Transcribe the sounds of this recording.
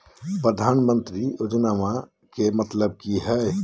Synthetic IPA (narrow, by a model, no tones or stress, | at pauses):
pɾəd̪ʱaːnmə̃nt̪ɾiod͡ʒnamã | kemət̪ləb̚kiɦɛ